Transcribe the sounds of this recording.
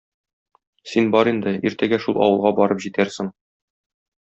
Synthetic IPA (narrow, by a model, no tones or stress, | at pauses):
sinbɒɾind̪ɘiɾt̪æɡæʃulˠʔɒ̰wɤ̆lˠʁɑbɒɾɤpʑit̪æɾsɘŋ